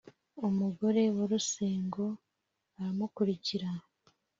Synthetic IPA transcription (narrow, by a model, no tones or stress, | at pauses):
umuɡo̞ɾe̞waɾuse̞ːŋɡo̞ | aɾamukuɾiciɾa